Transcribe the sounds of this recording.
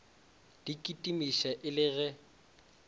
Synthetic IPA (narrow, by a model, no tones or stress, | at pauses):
d̥ikʼitʼimiʃɛʔɪlɪɣɛ